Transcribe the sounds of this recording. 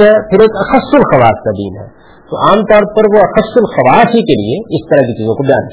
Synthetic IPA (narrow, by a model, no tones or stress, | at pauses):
ɦɛpʰɪɾeːkɐxɐsːʊlxɐʋaːskad̪ḭːnɦɛ̰ː | t̪o̰ʔaːmt̪ɔːɾpɐɾʋoɐxɐsːʊlxɐʋaːsɦikelḭeɪst̪ɐɾakit͡ʃiːzõkobɪja̰ːn